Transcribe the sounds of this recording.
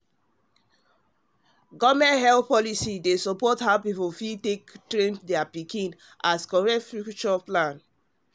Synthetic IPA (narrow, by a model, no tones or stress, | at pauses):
ɡɔmɛ̃ntɦɛlθpɔlisidesɔpɔthaʊpipofitektɹẽndɛapikĩn | ʔaskɔɹɛtfukt͡ʃɔplãn